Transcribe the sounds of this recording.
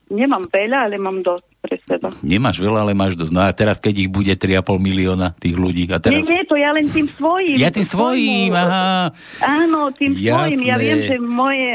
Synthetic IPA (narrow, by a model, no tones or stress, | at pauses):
ɲɛmamʋɛʎaalɛmamd̪ɔstpɾɛsɛbaɲɛmaːʒʋɛlaalɛmaːʒd̪ɔsnɔat̪ɛɾaskɛɟiɣbuɟɛt̪ɾiapɔlmiliɔnat̪iːɣluɟiːat̪ɛɲɛaɛt̪ɔjalɛnt̪iːmsʋɔjimjat̪iːmsʋɔjimaɦa | aːnɔt̪iːmsjaɔjiːmjaʋɪɛmʒɛmɔjɛ